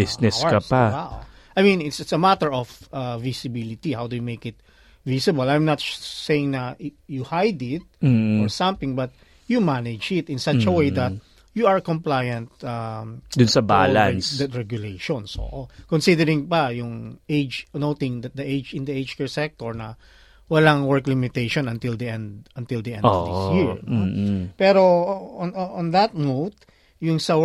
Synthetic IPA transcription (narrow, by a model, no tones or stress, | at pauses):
bɪsnɛkɐpawaw | ʔajmĩnɪt̪sɪt̪sɐmat̪əɹɔfavɪsɪbɪlɪt̪ihawd̪ujumeɪkɪt̪̚ | visɪbɐlajmnɐt̪sejɪ̃ŋnɐjuhajd̪ɪt̪̚ɔɹsɐ̃mθɪ̃ŋbɐt̪̚ | jumanɛd͡ʒɪt̪ɪ̃nsat͡ʃɐwejd̪ɐt̪̚ | juɐɹkɔ̃mplajɐ̃nt̪̚amd̪ʊnsɐba̰lansdɹɛɡjʊlejʃɔ̃nso̰ʔkɔnsid̪ɛɾɪ̃ŋpɐjʊŋejd͡ʒnowt̪ɪ̃ŋd̪ɐt̪̚d̪ɐʔejd͡ʒɪ̃nd̪ɐed͡ʒkɛɹsɛk̚t̪ɔɹnɐ | wɐlaŋwɛɹklɪmɪt̪ejʃɔnɐ̃nt̪ɪld̪ɐʔɛ̃nd̪ɐnt̪ɪld̪ɐʔɛ̃nɔvd̪ɪ̰sjiɹnopɛɾoɔnɔ̃nd̪ɐt̪̚mod̪̚ | jʊŋsɐ